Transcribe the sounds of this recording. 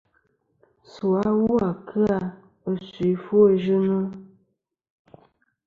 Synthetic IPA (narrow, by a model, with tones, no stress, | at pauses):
su˨a˦wu˦a˨kʰɨ˦a˨ | ə˨si˨fu˦ə˦ʒɨ˦nə˦